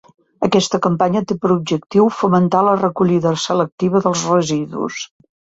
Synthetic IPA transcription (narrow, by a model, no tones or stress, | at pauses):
əkɛst̪əkəmpaɲət̪epəɾub̚ʒək̚t̪iwfumənt̪alərəkuʎiðəsələk̚t̪iβ̞əðəlˠzrəziðṵs